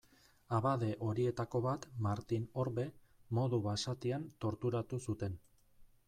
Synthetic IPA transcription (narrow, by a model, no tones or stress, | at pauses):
aβaðe̞ʔo̞ɾie̞t̪ako̞βat̪maɾt̪ino̞ɾβe̞mo̞ðuβasat̪iant̪o̞ɾt̪uɾat̪usut̪e̞n